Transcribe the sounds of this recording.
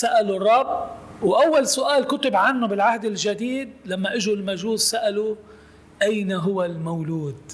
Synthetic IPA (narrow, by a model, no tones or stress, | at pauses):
saʔalʊrˤːɑbwʔawːalsʊʔaːlkʊt̪ʊbʕanːʊbɪlʕahd̪ɪlʒad̪iːd̪̚lamːaʔɪʒulmaʒuːzsaʔalu | ʔajnaɦʊwalmawluːd̪̚